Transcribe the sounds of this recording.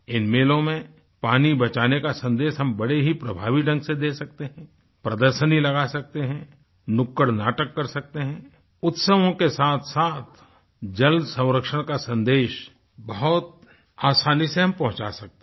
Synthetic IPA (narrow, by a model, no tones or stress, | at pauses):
ɪnmeːlõmẽ | paːnibɐt͡ʃaːnekasɐ̃nd̪eːʃɦɐmbɐɽeɦipɾɐbʱaːʋiɖɐ̃ŋɡsed̪eːsɐk̚t̪eɦɛ̃ | pɾɐd̪əɾʃənilɐɡasɐk̚t̪eɦɛ̃ | nʊkːəɽnaːʈəkːɐɾsɐk̚t̪eɦɛ̃ | ʊt̪səʋõkesaːt̪ʰsaːt̪ʰ | d͡ʒɐlsə̃ʊ̃ɾəkʃəɽ̃kasɐ̃nd̪eːʃ | bɐɦʊt̪̚ | aːsaːniseɦɐ̃mpɐ̃ɦʊ̃t͡ʃa̰sɐk̚t̪e